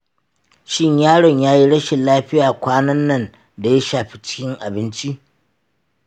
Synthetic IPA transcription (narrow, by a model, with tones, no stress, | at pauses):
ʃɪ˦ɲjaː˦ɽɔ˨ɲjaː˦ji˦ɽɐ˦ʃe˨laː˦ɸɪ˦jaː˨kʷaː˦nɐ˦nːɐ˦˨n | da˨ja˦ʃaː˨ɸi˦t͡ʃɪ̥˦kʲɪ˦ŋʔa˨bɪ˦nt͡ʃi˦ʔ